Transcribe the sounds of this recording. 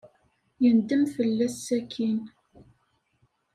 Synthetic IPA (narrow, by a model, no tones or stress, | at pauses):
jənd̪əmfəlːæsːækʰin